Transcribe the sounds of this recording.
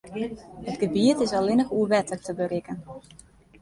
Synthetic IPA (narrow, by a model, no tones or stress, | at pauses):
hətɡ̥əbiətɪsɔlɪnəxuəʋɛtəktəbərɪkən